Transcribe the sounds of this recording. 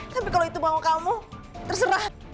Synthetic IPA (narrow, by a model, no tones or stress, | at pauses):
t̪apikaloit̪ubaokamut̪ərsəɾah